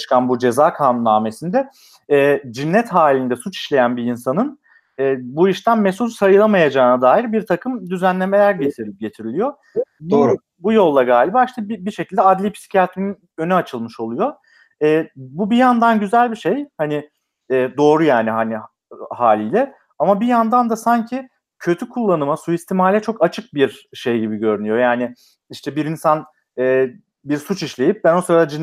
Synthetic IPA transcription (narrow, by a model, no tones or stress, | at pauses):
t͡ʃʰɯ̥kʰanbud͡ʒe̞zaːkʰaːnunːaːme̞sind̪ɛ | ɛːd͡ʒinːɛt̪ɦaːlʲind̪ɛsut͡ʃi̥ʃlʲe̞jænbiinsanɯn | ɛːbuiʃt̪ʰænmesulsajɯlˠamajad͡ʒaːnad̪aːjiɾbiɾt̪ʰakʰɯmd̪yzænlʲe̞me̞lʲæɾɟe̞t̪ʰiɾlʲip̚ɟe̞t̪ʰiɾilʲijo | bo | bujo̞lˠːaɡaːlʲibaʃt̪ʰɯbibiʃecʰilʲd̪ɛad̪lʲipʰi̥si̥cʰat̪ɾinn | ønyat͡ʃʰɯlˠmɯʃo̞lˠujo̞ | ɛːbubijand̪anɟyzælʲbiʃejhanɪ | ɛːd̪o̞ːɾujaːniɦanɪ | haːlʲiːlʲɛ | amabijand̪and̪asaɲcʰi | cʰø̞t̪ʰykʰulˠːanɯmasuist̪ʰimaːlʲɛt͡ʃʰo̞kat͡ʃʰɯk̚biɾʃe̞jɟibiɟø̞ɾynyjo̞jaːnɪ | iʃt̪ʰɛbiɾinsan | ɛː | biɾsut͡ʃiʃlʲe̞jip̚bænosoɾad̪ad͡ʒin